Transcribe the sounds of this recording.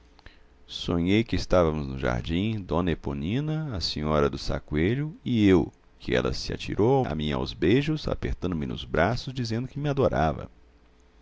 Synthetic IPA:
sõɲejkɪːst̪avɐmʊznʊʒa̰ɾd͡ʒĩd̪õneponĩnɐɐsĩɲɔɾɐd̪ʊsa̰kweʎʊɪew | kʰɪɛ̰lɐ̰sɪa̰t͡ʃḭɾʔowa̰mĩa̰wzbejʒʊza̰peɾt̪ɐ̃nd̪ʊmɪnʊ̰zbɾasʊzd͡ʒizẽnd̪ʊkɪmɪad̪oɾavɐ̰

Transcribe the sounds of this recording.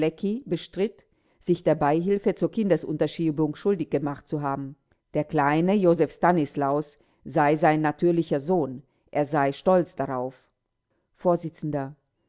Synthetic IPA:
ɛkibəʃtʁ̥ɪt | z̥ɪçd̥eːɐbaɪɦɪlfət͡suːɐkʰɪndɐsʔʊ̰ntɐʃiːbʊŋʃʊldɪçɡ̥əmaχt̚t͡suɦaːbm̩ | d̥eːɐkl̥aɪnəjoːzɛfstanɪslaʊs | z̥aɪzaɪnːatʰyːɐlɪçɐzoːn | ʔeːɐzaɪʃtɔlt͡sd̥aʁaʊf | foːɐzɪt͡sn̩dɐ

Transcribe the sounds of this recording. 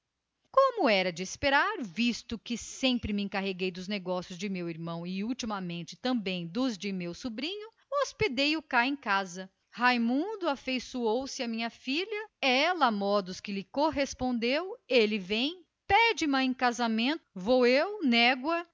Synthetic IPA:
kõmʊɛɾɐd͡ʒɪːspeɾaɾvist̪ʊkɪsẽmpɾɪmɪẽkaɦeɡejd̪ʊzneɡɔsjʊzd͡ʒɪmewiɾmɐ̃w̃ɪuwt͡ʃimɐmẽnt͡ʃɪ̥t̪ɐ̃bẽj̃d̪ʊzd͡ʒɪmewsubɾĩɲʊ | osped̪ejʊkaẽkazɐ | hajmũd̪ʊafejsuowsɪɐmĩɲɐfilɐɛlɐamɔd̪ʊskɪlɪkoɦespõnd̪ewelɪvẽj̃ | pɛd͡ʒɪmɐẽkazamẽnt̪ʊvoewnɛɡwɐ

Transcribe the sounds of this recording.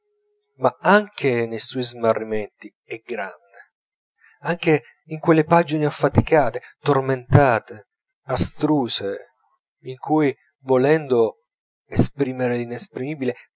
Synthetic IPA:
maaŋkʰenejsɔjzmarːimɛnt̪i | ɛɡɾanːe | aŋk̟e | iŋkwelːepad͡ʒineafːat̪ikaːt̪et̪orment̪aːt̪e | ast̪ɾuːse | iŋkʰuj | volɛnd̪o | espɾiːmeɾelinespɾimiːbile

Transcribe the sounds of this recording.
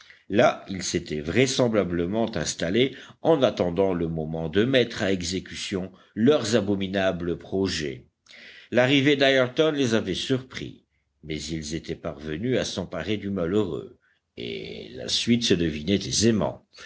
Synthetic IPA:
lailset̪ɛvʁɛsɑ̃blabləmɑ̃t̪ɛ̃st̪aleɑ̃nat̪ɑ̃d̪ɑ̃ləmɔmɑ̃d̪əmɛt̪χaɛɡzekʲysjɔ̃ | lœʁzabɔminabləpχɔʒɛ̰ | laʁived̪ajəʁt̪ɔnlezavɛsyʁpχḭ | mɛzilzet̪ɛpaʁvənyasɑ̃paʁed̪ymaløʁø̰ | ḛla̰sɥit̪səd̪əvinɛt̪ezemɑ̰̃

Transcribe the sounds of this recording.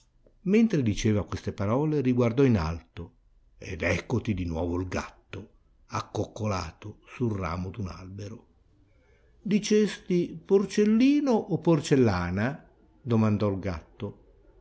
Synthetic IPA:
ment̪ɾed̪it͡ʃeːvakwest̪epaɾɔːleɾiɡward̪ɔina̰lt̪o | ḛd̪ɛkːot̪id̪inwɔ̰ːvoilɡa̰t̪ːo | akːokːolaːt̪osulra̰ːmod̪una̰lbeɾo | d̪it͡ʃest̪iport͡ʃelːiːnoʔːpːort͡ʃelːaːna | d̪omand̪ɔlɡa̰t̪ːo

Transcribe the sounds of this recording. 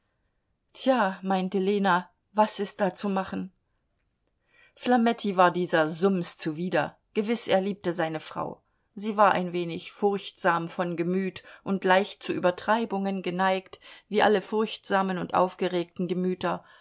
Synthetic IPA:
tʰjaːmaɪntəleːna | vasɪst̚d̥aːt͡sumaχn̩ | flamɛtʰivaːɐdiːzɐzʊmst͡suviːdɐ | ɡ̥əvɪsʔeːɐliːp̚təzaɪnəfʁ̥a̰ʊ | ziːvaːɐʔa̰ɪnveːnɪçfʊɐçtz̥aːmfɔnɡəmyːtʔʊntlaɪçt̚t͡suʔyːbɐtʁ̥aɪbʊŋənɡənaɪktviːʔa̰ləfʊɐçtz̥aːmənʊntʔa̰ʊfɡ̥əʁeːk̚tn̩ɡəmyːtɐ

